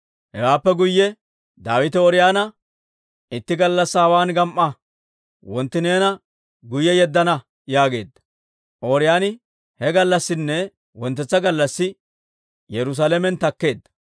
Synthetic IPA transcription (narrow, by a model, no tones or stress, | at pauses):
hɛwaːpːɛɡʊjːɛ | d̪aːwɪt̪ɛɔɾɪjaːnɐ | ɪt̪ːɪɡɐlːɐsːhɐwaːnɡɐmʔːɐ | wɔnt̪ːɪneːnɐ | ɡʊjɛjɛd̪ːɐnɐ | jaːɡe̞ːd̪ːɐ̥ | ʔoːɾɪjaːnɪ | hɛɡɐlːɐsːɪnːɛ | wɔnt̪ːɛt͡sːɐɡɐlːɐsːɪ | jɛɾʊs̬alɛmɛnt̪ɐkːe̞ːd̪ːɐ